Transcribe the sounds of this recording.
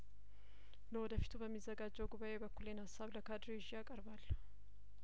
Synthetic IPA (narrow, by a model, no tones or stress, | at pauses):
lɐwɔd̪əfɪ̥t̪ubəmːɪzːɐɡaːd͡ʒːɛwɡʊbaʔeːbəkːʊleːnhasːablɐkaːd̪ɾeʒɪjaːkʼɐɾbaːlːɐ̥